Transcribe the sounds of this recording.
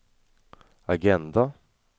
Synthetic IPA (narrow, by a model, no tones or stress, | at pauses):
aɡɛnd̪a